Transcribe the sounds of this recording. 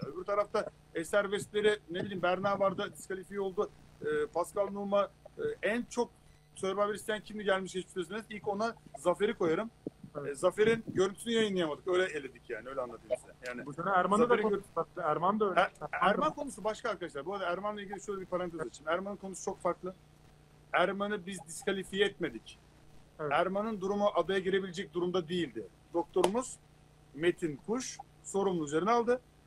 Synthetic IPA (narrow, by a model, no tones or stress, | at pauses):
øbyɾt̪ʰaɾaft̪a | esæɾvɛst̪lʲe̞ɾɪnebilʲiːmbæɾnaːbaɾd̪ad̪iskalʲifijo̞lˠd̪u | ɯːpʰaskʰalˠnumaɯːænt͡ʃʰo̞k̚ | sʰøɾbaveɾist̪ejæncʰimlʲiɟælʲmiʃɟet͡ʃiʃøsenizilʲko̞nazafe̞ɾikʰo̞jaɾɯmːzafe̞ɾinɟøɾynt̪ʰynyjajɯnːˠɯjamad̪ɯkøjlʲɛelʲe̞d̪icʰjaːnɪø̞jlʲɛanːˠat̪ʰɯjist̪ɛnjaːnɪsæɾmanad̪aaæɾmand̪aølæɾmankʰo̞nusubaʃkaːɾkad̪aʃlˠaɾbuɾad̪aæɾmanlˠaiɟʲilʲiʃøjlʲɛbiɾpʰaɾant̪ʰezat͡ʃʰinmæɾmanɯnkʰo̞nusu̥t͡ʃʰo̞kfaɾklˠɯ | æɾmanɯbizd̪iskʰalʲifijɛɛt̪me̞d̪ic | ɛæɾmanɯnd̪uɾumuʔad̪ajaɟiɾe̞bilʲed͡ʒɛc̚d̪uɾumd̪ad̪ijilʲd̪ɪ | d̪o̞k̚t̪ʰo̞ɾumuz̥ | me̞t̪ʰinkʰuʃ | so̞ɾumlˠuyzeɾinɛalˠd̪ɯ